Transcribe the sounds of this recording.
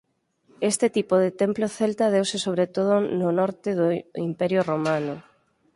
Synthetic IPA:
est̪ɪt̪ipoðɪt̪emploθelt̪að̞ewsɪsoβ̞ɾet̪oð̞ʊnʊnɔɾt̪ɪðʊimpɛɾjoromanʊ

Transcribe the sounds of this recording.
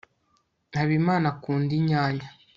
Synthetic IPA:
nhaβimaːnakuːndiɲaːɲa

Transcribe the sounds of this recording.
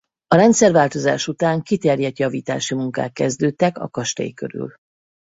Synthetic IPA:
ɒɾɛnt̪sɛrvaːlt̪o̞zaːʃut̪aːŋkit̪ɛrjɛt̪jɒviːt̪a̰ːʃimuŋka̰ːk̪̚kɛzd̪øːt̪ːɛkɒ̰kɒʃt̪ɒ̰jikø̰ɾy̰l

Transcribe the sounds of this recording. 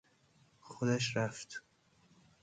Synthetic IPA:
xod̪æʃ̬ɾæft̪

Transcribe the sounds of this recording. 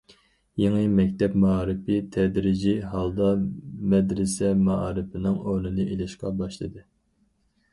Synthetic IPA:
jeŋɨmɛkʲt̪ɛpmɑɑːɾɨpʰɪt̪ʰɛd̪ɾɪd͡ʒiɦɑlˠd̪ɑmɛd̪ɾɪsɛmɑɑːɾɨpʰɪnɨŋonɨnɨʔelɪʃqɑbɑʃlˠɨd̪ɨ

